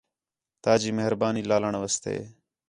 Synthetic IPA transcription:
t̪aːd͡ʒiːmeɦɾbaːniːlaːləɳʋəst̪ḛː

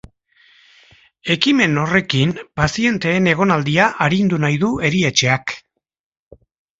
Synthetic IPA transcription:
e̞kime̞no̞re̞kimpasie̞nt̪e̞ːne̞ɣ̞o̞nald̪iaʔaɾind̪unajðue̞ɾie̞t͡ʃe̞ak

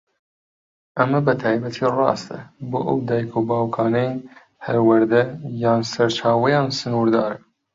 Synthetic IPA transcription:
ʔɐmɐbɐt̪ʰɑːjbɐt̪ʰiːrˤɑ̰ːst̪ɐ̰boːʔɐ̰wd̪aːjkʰobɑːwkʰɑːnɛj | hʰɐɾwɐɾd̪ɐjɑːnsɐɾt͡ʃʰaːwɐjɑːnsɨnuɾd̪ɑːɾɐ

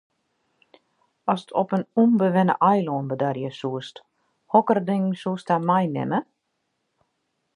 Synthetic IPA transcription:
ɔsətʰɔpənunbəʋɛnə̰ʔɔjloːnbədarjəsuəst | hɔkərdɪŋsuəstamɛjnɪ̰mə

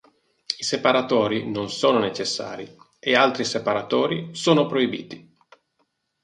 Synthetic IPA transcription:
isepaɾat̪oːɾinonsoːnonet͡ʃesːa̰ːɾi | ealt̪ɾisepaɾat̪oːɾisoːnopɾoibḭːt̪i

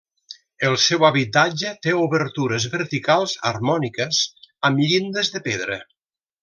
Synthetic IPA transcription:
əlˠsɛwaβit̪ad͡ʒət̪euβəɾt̪uɾəzβəɾt̪ikalˠzə̰rmɔnikəzəmʎind̪əzðəpeðɾə̰

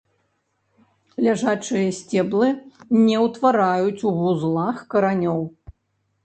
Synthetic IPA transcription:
lʲaʐat͡ʂɨjɐsʲt͡sʲɛblˠɨnʲɛwt̪vaɾajut͡sʲuvuzlˠaxkɐɾanʲɔw

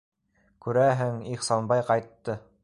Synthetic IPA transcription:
kʉɾæɦɘŋiχsɑnbɑjqɑjt̪ːɤ

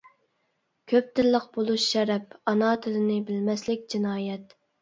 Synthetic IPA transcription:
kʲʰøp̚t̪ɪɾlːˠəq̚bolˠuʃːɛɾɛp̚ɑnɑːt̪ʰɪlɪnɪbɪlmɛslɪk̚ʲd͡ʒinɑːjɛt̪

